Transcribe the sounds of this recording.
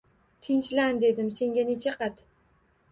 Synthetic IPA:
t̪ʰɪnʃland̪e̞d̪ɪmse̞ŋɡʲane̞t͡ʃʰaqʰɑt̪

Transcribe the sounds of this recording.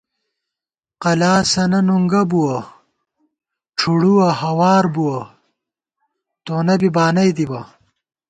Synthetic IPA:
qɐlaːsɐnɐnuŋɡɐbuwɐ | ʈ͡ʂʰuɽuwɐhɐwaːɾbuwɐ | t̪oːnɐbibaːnɐjd̪ibɐ

